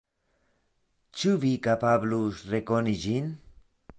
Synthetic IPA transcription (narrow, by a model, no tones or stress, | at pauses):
t͡ʃuβikapablusrekonid͡ʒin